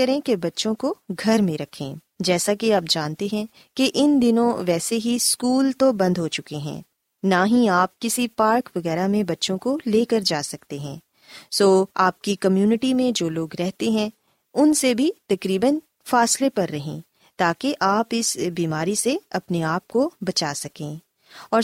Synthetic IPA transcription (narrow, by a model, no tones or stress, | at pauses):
ɐɾẽkebɐtːʃõkoɡʱɐɾmẽɾɐkʰḛ̃ː | d͡ʒɛːsakeaːp̚d͡ʒãːnt̪eɦɛ̃ | keʔɪnd̪ɪnõʋɛːseɦiskuːlt̪obɐ̃nd̪ɦot͡ʃʊkeɦɛ̰̃ː | naːɦĩaːp̚kɪsipaːɾkʋɐɣɛːɾamẽbɐtːʃõkoleːkɐɾd͡ʒaːsɐkt̪eɦɛ̰̃ː | soːaːp̚kikɐmjuːnɪʈimẽd͡ʒoːloːɡɾɛɦt̪eɦɛ̃ | ʊnsebʱit̪ɐkɾiːbən | faːslepɐɾːɐɦẽː | t̪aːkeʔaːpɪsbiːmaːɾiseɐpneaːp̚kobɐt͡ʃaːsɐkẽː | ɔːɾ